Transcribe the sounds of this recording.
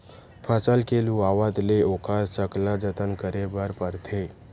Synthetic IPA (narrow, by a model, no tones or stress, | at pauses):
pʰəsəlkeːlũaːʋəd̪leokʰasəklãd͡ʒət̪ənkəɾebaɾpəɾt̪ʰe